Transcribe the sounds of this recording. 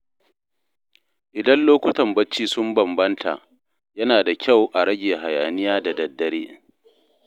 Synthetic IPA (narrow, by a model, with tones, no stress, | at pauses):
ʔɪ˨dɐ˦nloː˦kʷʊ˦tɐ˨mbɐ˦t͡ʃːiː˦sʊ˦mbɐ˨mbɐ˦ntʰa̰˨ʔ | jɐ˦naː˨da˨kʲʰa˦˨wʔa˨ɾɐ˦ɡʲeː˨ɦa˨ja̰ː˨nɪ˦jaː˦da˨dɐ˨dːɐ˦ɽeː˦